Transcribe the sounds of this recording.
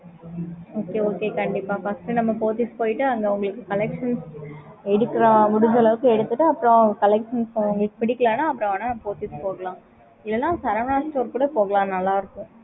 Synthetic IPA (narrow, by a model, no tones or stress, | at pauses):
oːkeːoːkeːkɐɳɖɪpːaːfɐsʈɯnɐmːɐpoːt̪ispoːjɪʈːɯɐŋɡeʊŋɡɐɭɯkːɯkɐlɛkʂɐns | ɛɽɯkːɪɾɐmʊɽʊɲd͡ʒɐlɐʋɯkːɯɛɽɯt̪ːɯʈːɯɐpːɯɾõkɐlɛkʂɐnsʊŋɡɐɭɯkːɯpɪɽɪkːɐlaːnaːɐpːɯɾõɐnaːpoːt̪ispoːɣɐɭãː | ɪlːɐnːãːsɐɾɐmnaːsʈoːɾkuːɽɐpoːɣɐɭãːnɐlːaːɪɾɯkːɯ̃